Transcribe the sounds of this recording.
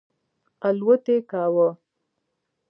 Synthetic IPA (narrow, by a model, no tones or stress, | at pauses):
alwət̪ekaːwə